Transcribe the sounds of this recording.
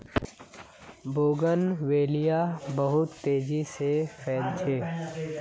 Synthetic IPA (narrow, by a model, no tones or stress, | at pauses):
boːɡənweːlijabəɦʊt̪ːeːd͡ʒisefʰɛːlt͡ʃʰeː